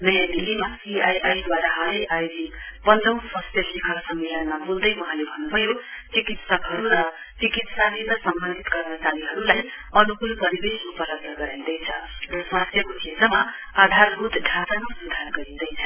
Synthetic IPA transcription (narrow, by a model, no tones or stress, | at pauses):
nʌjãd̪ilːimasiajʔajd̪waɾaɦalʌjʔajdipʌnd̪ʌw̃sʌst̪ʰjʌsikʰʌksʌmːilʌnmabuld̪ʌjwʌɦãlebʱʌnːubʱʌjot͡sikit̪sʌkɦʌɾuɾʌ | t͡sikit̪saliɾʌsʌmbʌnd̪ʱit̪ɡʌrmʌt͡saɾiɦʌɾulaj | ʌnukulpʌɾibesupʌlʌɡ̚d̪ʌɡʌɾawd̪ʌjt͡sʰʌ̰rʌsʌst̪ʰjʌkot͡sʰit̪rʌma | ad̪ʱarɦud̪ʱɖʱatamasud̪ʱarɡʌɾĩd̪ʌjt͡sʰʌ